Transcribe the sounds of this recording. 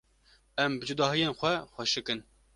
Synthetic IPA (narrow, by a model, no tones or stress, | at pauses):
ɛmbɨd͡ʒud̪ɑːɦijeːnxʷɛxʷɛʃɨkɨn